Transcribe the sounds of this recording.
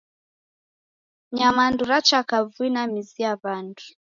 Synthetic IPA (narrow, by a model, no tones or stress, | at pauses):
ɲamanduɾat͡ʃakavuinamiziaβandu